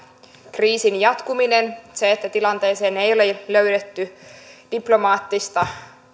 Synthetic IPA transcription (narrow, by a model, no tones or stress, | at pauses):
kriːsinjɑt̪kuminenseet̪ːæt̪ilɑnt̪e̞ːse̞ːne̞jo̞leløydet̪ːyd̥iplo̞mɑːt̪ːist̪ɑ